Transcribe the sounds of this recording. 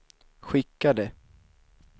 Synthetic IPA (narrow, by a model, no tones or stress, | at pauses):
ɧɪkːad̪ɛ